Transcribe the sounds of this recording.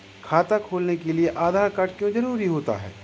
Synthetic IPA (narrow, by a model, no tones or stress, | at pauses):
kʰaːt̪akʰoːlnekelieʔaːd̪ʱaːɾkaʈkjõd͡ʒɐɾuːɾiɦoːt̪a̰ɦɛ̰ː